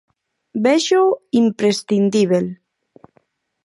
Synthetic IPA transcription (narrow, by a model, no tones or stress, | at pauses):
beʃoimpɾest̪ind̪iβel